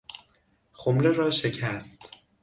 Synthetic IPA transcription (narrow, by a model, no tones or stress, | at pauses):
xomɾe̞ɾɒːʃe̞cʰæst̪